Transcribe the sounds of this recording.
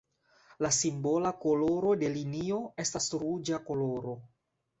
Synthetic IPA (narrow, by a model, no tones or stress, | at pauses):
lasimbo̞lako̞lo̞ɾo̞de̞linio̞e̞stasɾud͡ʒako̞lo̞ɾo̞